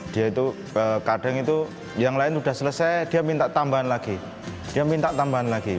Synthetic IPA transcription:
d̥ijait̪u | əːkaɖ̥aŋit̪u | jaŋlaɪnsudahsələsajd̥iamint̪aʔt̪ambaɦanlaɡ̥i | d̥iamint̪aʔt̪ambaɦanlaɡ̥i

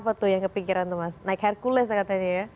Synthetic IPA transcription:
pat̪ujaŋkəpikiɾant̪umasnaɪkharkulɛs̬akat̪aɲaja

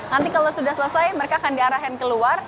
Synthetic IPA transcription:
nant̪ikalosudahsələsajməɾekaːkandiaɾaɦankəluar

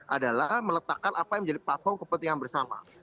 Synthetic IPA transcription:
ʔadalahmələt̪akanʔapajaŋməɲd͡ʒadiplat̪̚fɔrmkəpunt̪iŋanbərsama̰

